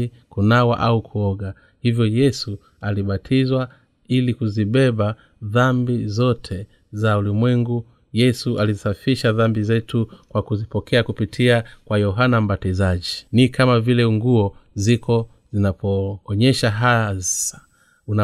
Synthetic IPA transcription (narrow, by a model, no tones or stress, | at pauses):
kunawa̰ʔaukʰuɔɡa | hivjɔjɛsu | aliɓatʰizwa | ilikuziɓɛɓa | ðambizɔtʰɛ | zaulimwɛŋɡu | jɛsuʔalizisafiʃaðambizɛtukwakuzipɔkʰɛakupitʰiakwajɔɦanam̩batizaʄinikamavilɛŋɡuɔzikʰɔ | zinapʰɔːɲɛʃaɦasḁ | una